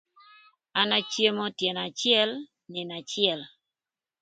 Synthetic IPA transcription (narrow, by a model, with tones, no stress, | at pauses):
a˦na˦t͡ʃje˦mo˦tje˨na˨t͡ʃɪɛ˦l | nɪ˨na˨t͡ʃɪɛ˨l